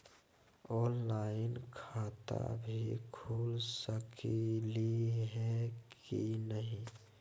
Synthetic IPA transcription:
ɔːnlaːɪnkʰaːt̪a̰bʱikʰuːlsəkiliɦɛkinəɦĩ

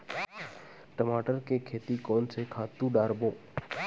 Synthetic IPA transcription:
ʈəmaːʈəɾkekʰeːt̪ikɔːnsekʰaːt̪ũɖaːɾbõː

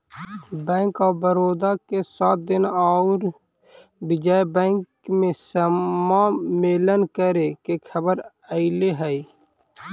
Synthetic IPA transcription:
bɛ̃ːŋkaːbəɾoːd̪akesaːt̪̚d̪ɪnaɾ | bɪd͡ʒaːjbɛ̃ːŋkmẽsəmameːlənkəɾekekʰəbəɾ | əɪleɦɛi

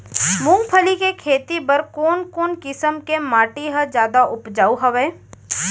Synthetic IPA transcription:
mʊ̃ŋɡpʰəlikekʰeːt̪ipəɾkɔːnkoːnkɪsəmkemaːʈiɦəd͡ʒjaːd̪aʔʊpd͡ʒaːuɦɐʋeː

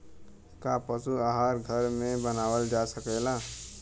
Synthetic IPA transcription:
kapəsuaɦaɾɡʱəɾmẽbənawəld͡ʒasəkɛla

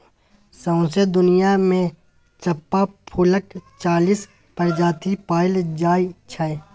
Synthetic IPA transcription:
sə̃ʊ̃sed̪ʊnijamẽ | t͡ʃəpːapʰʊləkt͡ʃaːliːs | pəɾd͡ʒaːt̪ipaːɪld͡ʒaːit͡ʃʰɛe

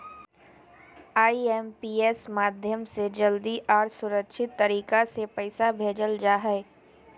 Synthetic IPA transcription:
aːiɛmpiːeːsmaːd̪ʱjəmsed͡ʒɐld̪iʔɔːɾsʊɾəkʃʰɪt̪ːɐɾiːkasepɐɪsabʱeːd͡ʒəld͡ʒaːɦɛː

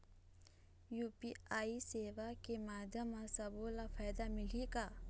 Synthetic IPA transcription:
juːpiaːiseːʋakemaːd̪ʱjəmasɐboːlafʰaːjd̪amɪlikaː

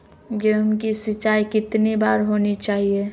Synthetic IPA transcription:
ɡemkisɪt͡ʃaːikɪt̪nibaːɾɦoːnit͡ʃaːɦie

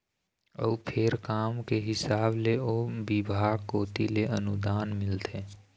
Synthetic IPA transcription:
ə̰upʰeɾkaːmkeɦɪsaːbleoːbɪbʱaːɡkoːt̪ileənʊd̪aːnmɪlt̪ʰeː

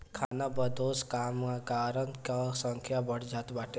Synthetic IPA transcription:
kʰanabəd̪oːskamakaɾənkasə̃ŋkʰjabəɽ̤d͡ʒat̪baʈe

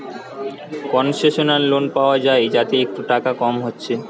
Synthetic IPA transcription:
kɔnʃeʃonalːonpaoad͡ʑaed͡ʑat̪eek̚ʈuʈakakɔmɦotːɕʰe

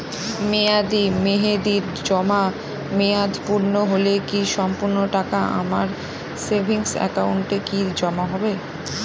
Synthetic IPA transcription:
mead̪imeɦed̪iɾ | d͡ʑɔma | mead̪ʱpuɾnoɦolekiʃɔmpuɾnoʈakaʔa̰maɾ | sebʱiŋsɛ̰kauɳʈekid͡ʑɔmaɦɔbe

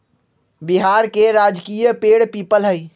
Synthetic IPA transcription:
biɦaɾkeɾaːd͡ʒkijəpeːɽpiːpəlɦəi

